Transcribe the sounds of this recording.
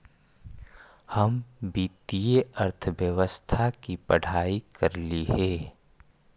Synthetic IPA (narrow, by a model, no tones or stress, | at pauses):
hɐmbiːt̪ijeəɾt̪ʰəʋjəʋəst̪ʰakipəɽ̤ʱaːikɐɾliɦɛː